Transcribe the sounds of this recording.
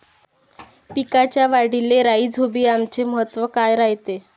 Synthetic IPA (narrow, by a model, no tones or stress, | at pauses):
pikat͡ɕjaʋaɽileɾaid͡zʱobiːamt͡ɕeməɦət̪ʋəkajɾaɦjt̪e